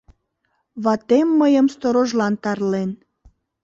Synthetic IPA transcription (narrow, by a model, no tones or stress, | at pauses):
βɑt̪emːəjəmst̪oɾoʒlɑnt̪ɑrlen